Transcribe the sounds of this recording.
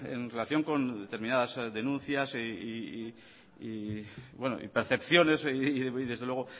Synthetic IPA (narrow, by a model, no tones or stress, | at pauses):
ḛnre̞laθjo̞ŋko̞nd̪et̪e̞ɾmĩnaðazðe̞nũnθjasii | ibweno̰ḭpe̞ɾθe̞pθjo̞ne̞siðezðelwe̞ɣ̞o